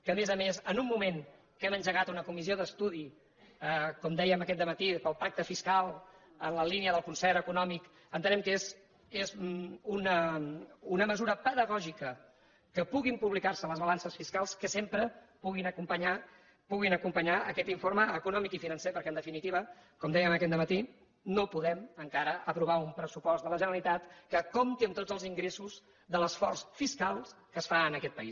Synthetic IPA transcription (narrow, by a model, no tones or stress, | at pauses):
kəːmezəmezənumːumeŋ | kɛmənʲʒəɣat̪unəkumizioðəst̪uð̞i | əkɔmd̪ɛjəməkɛt̪d̪əmət̪ipəlˠpak̚t̪əfiskalˠ | ənləliniəðəlˠkunsɛɾəkunɔmik | ənt̪ənɛmkez | ezunə | unəməzuɾəpəðəɣɔʒikə | kəpuɣimpuβlikarsələzβəlansəsfiskalˠskəsempɾə | puɣinəkumpəɲa | puɣinəkumpəɲaəkɛt̪iɱfoɾməːkunɔmikifinənsepəɾkɛənd̪əfinit̪iβəkɔmd̪ɛjəməkɛt̪d̪əmət̪i | nopuðɛməŋkaɾəəpɾuβ̞aumpɾəsupɔsd̪ələʒənəlit̪at̪kəkomt̪iəmt̪od͡zəlˠziŋɡɾesuz | ðələsfɔrsfiskalˠkəsfaənəkɛt̪pəis